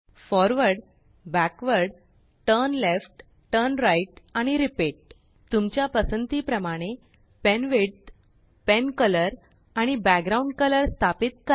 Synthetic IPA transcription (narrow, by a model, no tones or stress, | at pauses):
fɔɾʋəɾɽ | bækʋəɾɽ | ʈəɾnlefʈ | ʈəɾnɾajʈaɽ̃iɾipeʈ̚ | t̪umt͡ɕjapəsənt̪iːpɾəmaɽ̃e | pɛnʋeɽt̪ | penkələɾ | aɽ̃ibæk̚ɡɾauɳɖkələɾst̪ʰapit̪̚kə